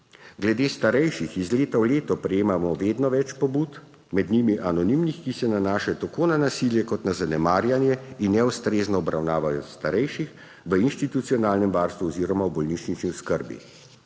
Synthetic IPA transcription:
ɡlɛd̪eːst̪aɾɛjʃixizleːt̪awleːt̪ɔpɾɛjeːmamɔʋeːd̪nɔʋɛt͡ʃpɔbuːt̪ | mɛd̪nimiʔanɔnimnixkisɛnanaːʃɛt̪akoːnanasiljɛkɔt̪nazanɛmaːɾjanjɛinːɛust̪ɾeːznɔːbɾʔawnaːʋajɔst̪aɾɛjʃix | ʋəinʃt̪it̪ut̪sijɔnaːlnɛmʋaːɾst̪ʋuɔziːɾɔmawbɔlniːt͡ʃnit͡ʃniɔskəɾbḭ

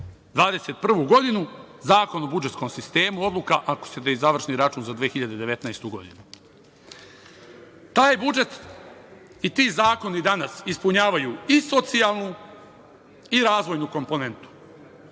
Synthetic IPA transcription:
d̪ʋaːd̪eset̪̚pr̩ʋuɡo̞d̪inu | zaːko̞nobud͡ʒet̪sko̞msist̪e̞ːmuo̞d̪lˠukaʔako̥set̪eizaʋr̩ʃniɾat͡ʃuːnzad̪ʋeːxiʎad̪e̞d̪e̞ʋe̞t̪naest̪uɡo̞̰d̪inu | t̪aːjbud͡ʒe̞t̪ | it̪iːzaːko̞nid̪anasispuɲaːʋajuiso̞t̪sialˠnu | iɾaːzʋo̞jnuko̞mpo̞ne̞nt̪u̥

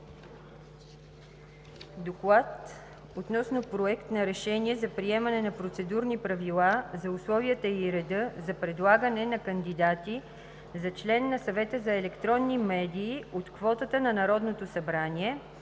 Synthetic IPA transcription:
d̪oklˠat̪ | ot̪nɔsnopɾoɛkt̪nɐɾɛʃɛnʲiɛzɐpɾiɛmɐnɛnɐpɾot̪sɛd̪uɾnipɾɐvilˠazɐʊslˠɔviət̪əiɾɛd̪ɤzɐpɾɛd̪lˠaɡənɛnɐkənd̪id̪at̪i | zɐt͡ʃlɛnːɐsɐvɛt̪əzɐɛlɛkt̪ɾɔnːimɛd̪iːot̪kvɔt̪ət̪ənɐnɐɾɔd̪not̪osɐbɾanʲiɛ

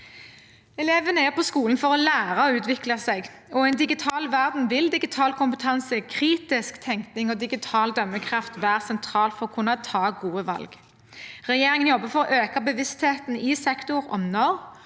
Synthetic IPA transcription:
ɛleːʋənəæʁpʰɔskuːln̩fɔʁɔlæːʁɑɔʉːt̪ʋɪklɑsɛɡ | ɔɛɪnd̪ɪɡɪt̪ʰɑːlʋæʁd̪n̩ʋɪld̪ɪɡɪt̪ʰɑːlkʰʊmpət̪ʰɑnsəkʰʁiːt̪ɪskt̪ʰɛŋkt̪nɪŋɔd̪ɪɡɪt̪ʰɑːld̪œmːəkʰʁɑft̪ʋæːʁsɛnt̪ʰɾɑːlt̪fɔʁɔkʰʊnɑt̪ʰɑːɡuːəʋɑ̰lɡ | ʁɛjeːʁɪŋənjɔbːəfɔɾɔʔøːkɑbəʋɪst̪heːt̪n̩ɪsɛkt̪ʊʁɔ̰mnɔʁ

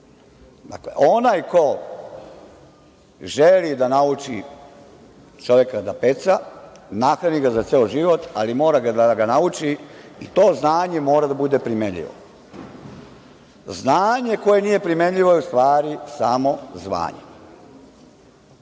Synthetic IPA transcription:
d̪a̰klḛʔonajko̞ | ʒelid̪anaut͡ʃi | t͡ʃo̞ʋje̞kad̪apet̪sanaxɾaniɡazat̪seoʒiʋo̞t̪alimo̞ːɾaɡad̪aɡanaut͡ʃiit̪o̞ːznaːɲe̞mo̞ːɾad̪abud̪e̞pɾimeɲʎḭʋo̰ | znaːɲe̞ko̞je̞nije̞pɾime̞ɲʎiʋo̞jeust̪ʋaːɾisamo̞zʋa̰ːɲe

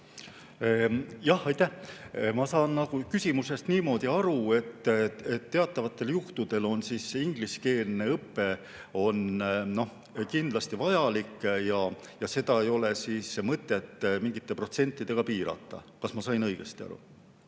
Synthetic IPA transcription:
jɑhɑjt̪ːæhmɑsɑːnːɑɡ̥ukysʲimuse̞st̪niːmo̞ːd̪̥iɑɾue̞t̪ːet̪ːe̞ɑt̪ːˑɑvɑt̪ːˑe̞ljuht̪ud̪̥e̞lo̞nsisiŋɡ̥liske̞ːlne̞ɤpːe̞ | o̞nno̞h | kind̪lɑst̪ivɑjɑlikːˑjɑ | jɑse̞d̪̥ɑe̞jo̞le̞siːsmɤt̪ːˑe̞t̪ːˑmiŋɡit̪ːe̞pro̞t̪se̞nʲt̪ːˑid̪̥e̞ɡ̥ɑpiːɾɑ̰t̪ːˑɑ̰ | kɑsmɑsɑjnɤjɡ̥est̪iɑ̰ɾṵ

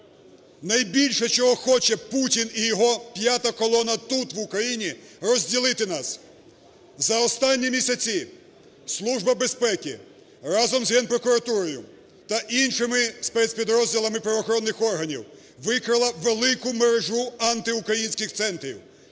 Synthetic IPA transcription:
nɐjbʲilʲʃɛt͡ʃɔɦɔxɔt͡ʃɛputʲinijɔɦɔpʲjat̪ɐkɔlˠɔnɐt̪ut̪ʋʊkɾɐjinʲirɔzʲdʲilˠɪt̪ɪnɑs | zɐɔst̪ɑnʲːimʲisʲɐt͡sʲi | slˠuʒbɐbespɛkʲi | rɑzɔmzɦɛnpɾɔkʊɾɐt̪uɾɔjʊ | t̪ɐʔinʃɪmɪspɛt̪sʲpʲid̪ɾɔzʲdʲilˠɐmɪpɾɐʋɔxɔɾɔnːɪxɔrɦɐnʲiw | ʋɪkɾɪlˠɐʋelˠɪkʊmeɾeʒuɑnt̪ɪʊkɾɐjinʲsʲkʲɪxt̪sɛnt̪ɾʲḭw

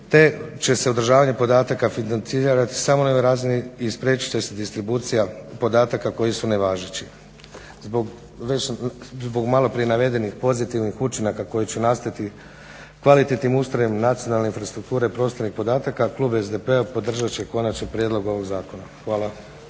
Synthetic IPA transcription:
t̪e̞t͡ɕe̞se̞od̪r̩ʒaːʋaɲepo̞d̪aːt̪akafinant̪siɾat̪i̥samonaoʋojɾaːziniispɾʲje̞ːt͡ɕi̥t͡ʃesed̪ist̪ɾibuːt̪sijapo̞d̪aːt̪akako̞jisuneʋaːʒet͡ɕi | zboɡ | ʋe̞t͡ɕzbo̞ɡmalˠo̞pɾie̞naʋe̞d̪e̞nixpo̞zit̪iʋnixut͡ʃinakako̞jit͡ɕenast̪ait̪i | kʋalit̪et̪nimust̪ɾojimnat̪sijo̞nalneinfɾast̪ɾuk̚t̪uːɾeipɾo̞st̪anixpo̞d̪aːt̪akakluːbezd̪epeapo̞d̪r̩ʒat͡ɕe̞ko̞nat͡ʃnipɾjed̪lˠo̞ɡo̞ʋo̞ɡzaːko̞naxʋaːlˠa

